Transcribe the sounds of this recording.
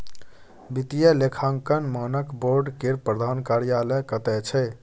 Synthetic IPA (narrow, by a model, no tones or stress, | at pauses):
bit̪ijəlekʰaŋkənmanəkboɾɖkeɾpɾəd̪ʱankaɾijalɛkət̪ɛt͡ʃʰɛ